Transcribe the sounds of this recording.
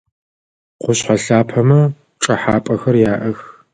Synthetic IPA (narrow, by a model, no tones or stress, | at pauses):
qʷʊɕħaɬaːpʰɐmɐ | ʈ͡ʂʼɐħaːpʼɐxɐrjaːʔɐx